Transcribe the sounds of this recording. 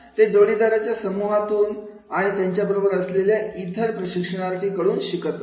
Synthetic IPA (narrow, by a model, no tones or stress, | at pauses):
t̪ed͡zoɽid̪aɾat͡ɕjasəmuɦat̪uːn | aɽ̃it̪jaɲt͡ɕjabəɾobəɾəsleljait̪ʰəɾpɾəɕikʂəɽ̃aɾt̪iːkəɽuːnɕikət̪ʋ